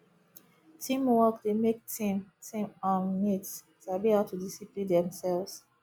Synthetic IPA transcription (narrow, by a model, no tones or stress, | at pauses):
tʰĩmwɔkdemek̚tʰĩmtʰĩmɔ̃nmits | tabiatʰudisipĩndɛ̃msɛlvs